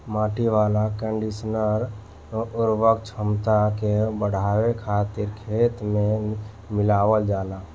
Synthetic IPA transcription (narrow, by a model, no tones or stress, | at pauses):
mãːʈiʋaːlakə̃ɳɖisnəɾ | ʊɾwəkt͡ʃʰəmt̪akebəɽ̤aːwekʰaːt̪ɪɾkʰeːt̪mẽ | mɪlaːwəld͡ʒaːlaː